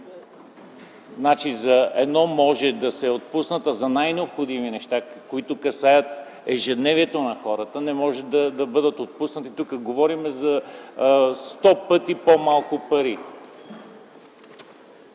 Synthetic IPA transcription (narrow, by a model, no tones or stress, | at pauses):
znat͡ʃizɐɛd̪nɔmɔʒɛd̪ɐsɛot̪̚pusnət̪əzɐnajnɛopxod̪iminɛʃt̪akoit̪okɐsajət̪ | ɛʒɛd̪nɛviɛt̪onɐxɔɾət̪ənɛmɔʒɛd̪ɐd̪ɐbɤd̪ət̪ot̪̚pusnət̪it̪ukəɡovɔɾimɛzɐ | st̪ɔpɤt̪ipomalˠkʊpɐɾi